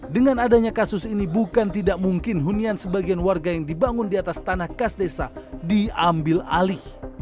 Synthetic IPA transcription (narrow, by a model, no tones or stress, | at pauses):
dəŋanadaɲakasʊsinibukant̪idaʔmuŋkɪnɦuniansəbaɡianwarɡajaŋdibaŋʊndiat̪ast̪anahkasdesadiambɪla̰lɪh